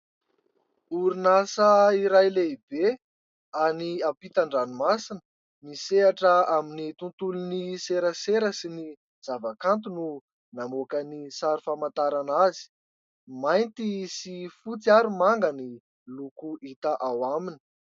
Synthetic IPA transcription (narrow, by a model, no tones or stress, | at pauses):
uɾinasəiɾajleib̥e | aniapit̪aɳɖ͡ʐanimasinə̥ | miseaʈ͡ʂəaminit̪unt̪uluniseɾəseɾəsini | z̥avakant̪̬unu | namokənisaɾifamant̪aɾanazi̥ | majnt̪isifut͡siaɾumaŋɡəni | lukuit̪aʔawamini̥